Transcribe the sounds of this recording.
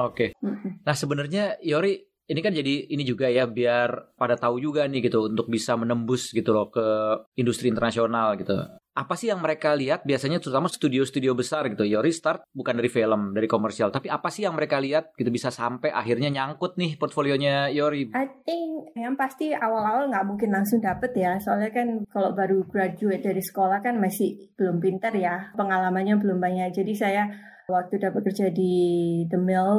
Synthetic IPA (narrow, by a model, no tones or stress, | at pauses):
okenahsəbənərɲajoɾiː | nikand͡ʒadiːnid͡ʒuɡajabiarpadat̪aud͡ʒuɡanɪhɡit̪uːnt̪ʊk̚bisamənəmbʊsɡit̪ulokəindust̪ɾiːnt̪ərnasionalɡit̪ṵʔapasɪhjaŋməɾekaliat̪̚biasaɲat̪əɾut̪amast̪udiosə̥t̪udiobəsarɡit̪ujoɾist̪art̪̚bukandaɾifeləmdaɾikomərsialt̪apiapasɪhjaŋməɾekaliat̪̚ɡ̥it̪ubisasampɛʔa̰ɦirɲaɲaŋkʊt̪̚nɪhpɔrt̪folioɲajoɾiat̪ɪjaŋpast̪iawalawalŋɡaʔmuŋkɪnlaŋsʊŋdapət̪jasoalɲakankaloʔbaɾuɡɾad͡ʒuɪt̪̚daɾisə̥kolahkanmasɪh | b̥əlʊmpint̪ərjapəŋalamanɲabəlʊmbaɲak̚d͡ʒadisaja | wak̚t̪udapət̪̚kərd͡ʒadidəmɪl